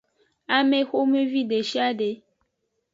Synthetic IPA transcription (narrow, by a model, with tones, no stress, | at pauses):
a˦me˦xo˦mẽ˦vi˦ɖe˨ʃi˦a˦ɖe˨˦